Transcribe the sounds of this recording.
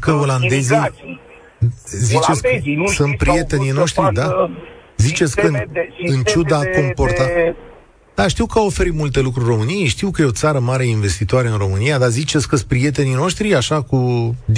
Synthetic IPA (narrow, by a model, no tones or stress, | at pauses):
kəo̞land̪e̞zi | zit͡ʃe̞t̪skəsɨnt̪̚pɾije̞t̪e̞nino̞ʃt̪ɾid̪a | zit͡ʃe̞t̪sʲkənɨnt͡ʃud̪ako̞mpo̞rt̪a | d̪̥aʃt̪iwkəo̞fe̞ɾimult̪e̞lukɾurʲro̞mɨnijejʃt̪iwkəjeo̞t̪saɾəmaɾeinve̞st̪it̪oaɾe̞ɨnro̞mɨnijad̪azit͡ʃe̞t̪sʲkəspɾije̞t̪̬e̞nino̞ʃt̪ɾiaʃaku